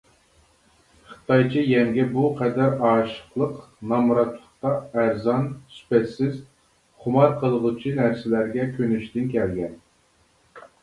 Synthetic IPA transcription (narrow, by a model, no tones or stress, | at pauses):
χə̥t̪ɑjt͡ʃʰijɛŋɡʲɛbuqʰɛd̪æɾɑːʃə̥χlˠəqnɑmɾɑt̪ʰlˠəχt̪ɑæɾzɑnsy̥pɛt̪sɪz | χʊmɑɾqʰəlˠəʁʊt͡ʃʰinæɾsɪlæɾɡʲɛkʲʰønyʃd̪ɪnkʲʰɛlɡʲɛn